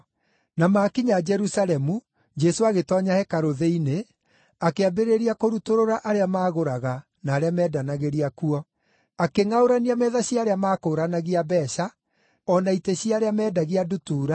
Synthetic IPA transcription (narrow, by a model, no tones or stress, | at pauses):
namaːkiɲad͡ʒɛɾusalɛmu | d͡ʒɛsoaɣetɔɲahɛkaɾoðeine | akeabeɾeɾiakoɾutoɾoɾaʔaɾeamaːɣoɾaɣa | naːɾeamɛːdanaɣeɾiakuɔ | akeŋaoɾaniamɛːðaɕiaːɾeamaːkoɾanaɣiabɛːʃa | ɔnaiteɕiaɾeamɛːdaɣiadutuːɾa